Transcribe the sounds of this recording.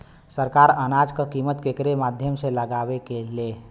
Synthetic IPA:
səɾkaɾənad͡ʒkəkimət̪kekɾemad̪ʱjəmseləɡabekele

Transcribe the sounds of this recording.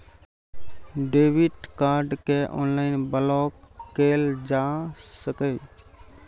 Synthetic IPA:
ɖeːʋɪʈkaːɾɖkeʔo̰ːnlaːɪnbəlɔːkːeːld͡ʒaːsəkeː

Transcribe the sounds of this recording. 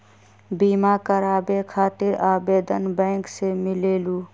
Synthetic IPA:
biːmakəɾaːbekʰaːt̪ɪɾaːbeːd̪ənbɛ̃ːksemɪleːluː

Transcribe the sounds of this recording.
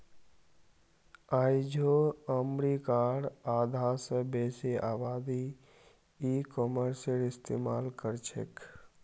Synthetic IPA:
ajd͡ʒʱoəmɾikaɽaːd̪ʱasəbeːseʔaːbaːd̪i | ikoməɾsəlɪst̪eːmalkəɾt͡ʃʰḛk

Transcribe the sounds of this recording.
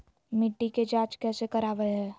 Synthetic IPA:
mɪʈːiked͡ʒaːt͡ʃkɛːsekɐɾaːʋəɦɛː

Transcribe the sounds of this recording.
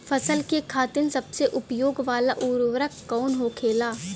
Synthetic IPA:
fʰɐsəlkekʰaːt̪ɪnsɐbseʔʊpjoːɡʋaːlaʔuːɾʋəɾəkːɔːnɦoːkʰeːlaː

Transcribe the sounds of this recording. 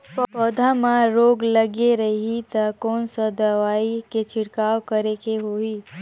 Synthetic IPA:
pɔːd̪ʱamãɾoːɡlɐɡeɾɐɦit̪akɔːnsɐd̪ɐʋaːiket͡ʃʰɪɽkaːwkɐɾekeɦoːiː

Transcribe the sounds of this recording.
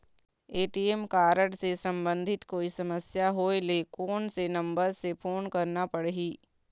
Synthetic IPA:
eːʈiemkaːɾəɽsesɐ̃mbə̃nd̪ʱɪt̪koːisɐməsjaɦoːelekoːnsenɐ̃mbəɾsepʰoːnkɐɾnapɐɽɦiː

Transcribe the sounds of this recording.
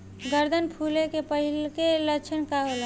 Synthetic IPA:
ɡəɾd̪ʱənpʰuːlekepəɦilkeləkt͡ʃʰənkaɦolə

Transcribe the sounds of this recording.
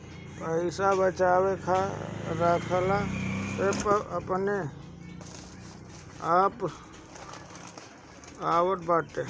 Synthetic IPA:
pəɪsabət͡ʃaːwekʰaɾakʰəlapepəəpne | aːp | aːwəʈ̚ʰbaːʈ̪e

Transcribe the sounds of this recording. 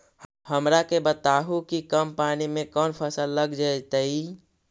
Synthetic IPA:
həmɾakebət̪aːɦukikəmpaːnimẽkɔːnpʰəsəlːəɡd͡ʒaet̪əi

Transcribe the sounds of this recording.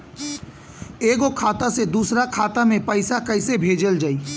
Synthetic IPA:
eːɡokʰaːt̪ased̪uːsɾakʰaːt̪amẽpəɪsakəɪsebʱeːd͡ʒəld͡ʒaːi

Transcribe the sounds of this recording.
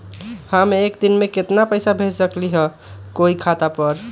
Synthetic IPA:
hãmeːkd̪inmeket̪napəjsabʱet͡ʃsəkliɦə | koikʰat̪apəɾ

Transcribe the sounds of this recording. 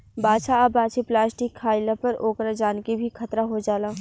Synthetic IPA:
baːʃaɐbaːt͡ʃʰiplaːsʈɪkʰːaːɪlãpɐɾoːkɾad͡ʒaːnkebʱikʰɐt̪ɾaɦod͡ʒaːlãː

